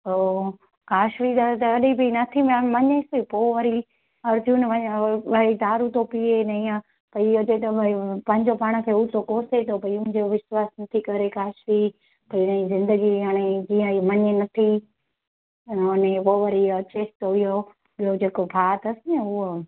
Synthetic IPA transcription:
oː | kaːʃʋit̪ɐt̪ɐɐɗibʱinɐt̪ʰiməmɐɲespoːʋɐɾi | ɐːɾd͡ʒunʋɐɲːʋɐid̪aːɾut̪opienɐĩːã | pɐɪjot͡ʃɐt̪ɐpɐ̃ɦɪ̃ɲd͡ʑopaːɽ̃ə̆kʰeːut̪okoːset̪ʰopɐijʊ̃d͡ʑoʋɪswaːsnɐt̪ʰikɐɾekaːʃʋi | pɐinɐĩzɪ̃nd̪əɡiaːɽ̃ed͡ʑĩːə̃imɐɲenɐt̪ʰi | ʊnepoːʋɐɾiɐt͡ʃeːst̪oɦʊjo | ɓijod͡ʑeːkopʰaːt̪ɐsɪneʊɦo

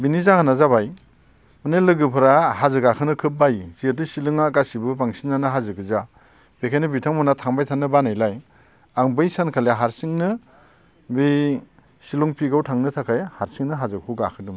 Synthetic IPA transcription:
binizahʰanazabaj | mɯnelɯɡɯpʰɯɾaɦazɯɡakʰɯnɯkʰɯp̚bajzietɯsilɯŋakasibɯpaŋsinːanɯɦazɯkɯza | b̥ekʰajnɯbitʰaŋmɔnatʰaŋbajtʰanːɯbanajlaj | aŋbɯjsankʰaleɦaɾsiŋnɯ | bi | silɔŋpʰiɡawtʰaŋnɯtʰakʰajhaɾsiŋnɯɦazɯkʰuɡakʰɯdɯm

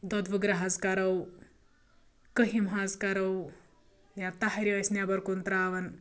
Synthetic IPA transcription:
d̪ɔd̪ʋuɡɾɐɦɐzkɐɾɐw | kɐɦimɦazkɐɾɐw | jat̪aɦɐɾiɐsnjabɐɾkunt̪ɾaːʋɐn

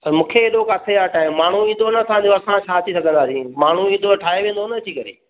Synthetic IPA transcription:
mũːkʰeeːɗokaːsʰeaːʈaːɪmːaːɳ̤uĩːnd̪onɐsʰãɲd͡ʑoɐsãt͡ɕʰaːɐt̪ʰisɐɡʱə̃nd̪aːsĩmaːɳ̤uĩːnd̪oʈʰaːeʋẽːn̆d̪onɐt̪ʰikɐɾḛː

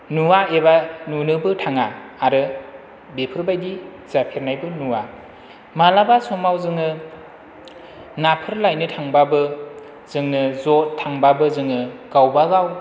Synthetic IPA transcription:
nuwaebanunɯbɯtʰaŋaːɾɯ | bepʰɯɾbajdi | z̥apʰeɾnajbɯnuwa | malabasomawzɯŋɯ | napʰɯɾlajnɯtʰaŋbabɯ | z̥ɯŋnɯzotʰːaŋbabɯzɯŋɯɡ̥awbaɡaw

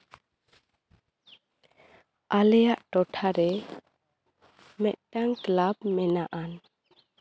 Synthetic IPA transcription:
alɛjaʔʈɔʈʰaɾɛ | mɛt̪̚ʈaŋklabmɛnaʔan

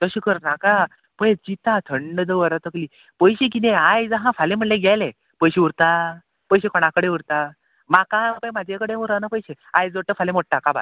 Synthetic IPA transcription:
t̪əɕikəɾnaka | pəjd͡ʑit̪at̪ʰəɳɖəd̪əʋəɾat̪əkliː | pəjɕek̬it̪ẽajd͡zəɦãfalẽm̤əɳlẽɡʱjajle | pəjɕiuɾt̪a | pəjɕekɔɽ̃ãkəɽẽuɾt̪a | makapəjmad͡ʑʱekəɽemuɾanapəjɕe | ajd͡zʋəʈːəfalemoʈ̚ʈːakaba̰

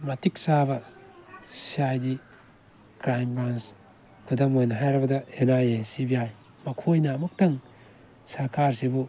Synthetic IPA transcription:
mɐtik̚sabɐ | siajdi | kɾajmbans | kʰudɐmojnɐɦajɾɐbɐdɐenajesibijaj | mɐkʰojnamɐk̚tɐŋ | sɐɾkʰaɾsibu

